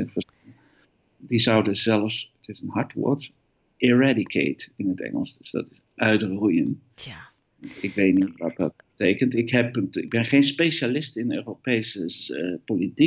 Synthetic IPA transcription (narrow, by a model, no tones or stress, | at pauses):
ənfə | dizʌwdəzɛlˠfsətɪsənɦɑɹtʋʊ̰ːɹt | ʔɪɹadikʰḛːtɪnətɛ̰ŋə̰lˠsdəsd̥ɔ̰tɪs | ʔœɥtrujən | ɪkʋet̚nitʋɑt̚dɑ̰t̚bətejkəntɪkɦɛpɪɡ̚bɪnχeːnspejʃalɪstɪnəøːropejsəpoliti